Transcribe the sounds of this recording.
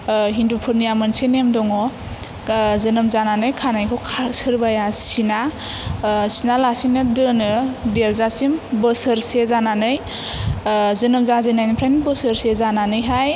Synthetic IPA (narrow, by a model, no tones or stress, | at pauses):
ɦindupʰɯɾnijamɯnsenemdɔŋɔ | zɯnɯmzananɯjkʰanajkʰɔkʰasɯɾbajasina | sinalasinɯdɯnɯdeɾzasimbəsɯɾsezananɯj | zɯnɯmzazɯjnajnipʰɾajnbəsɯɾsezananɯjɦaj